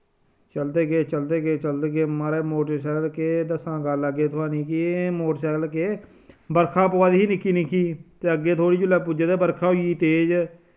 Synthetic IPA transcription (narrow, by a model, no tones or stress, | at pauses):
t͡ʃəld̪eːkeːt͡ʃəld̪eːkeːt͡ʃəld̪eːkeːmaːɾeːmoːʈəʃɛːlkeːd̪əsãːɡələɡːeːt̪ʰʊãːnĩːkiːmoːʈsɛːlkeː | bəɾkʰãːpəʋaːd̪iːɦiːnɪkːiːnĩːkʰiːt̪eːəɡːeːt̪ʰoːɽiːd͡ʒʊlːɛːpud͡ʒed̪eːbəɾkʰãːɦoiːt̪eːd͡ʒ